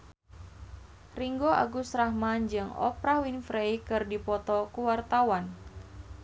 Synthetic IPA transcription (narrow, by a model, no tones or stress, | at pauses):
riŋɡoʔa̰ɡusɾahmand͡ʒɨŋɔ̰pɾawinfɾejkɨrdipɔt̪ɔkuwart̪awan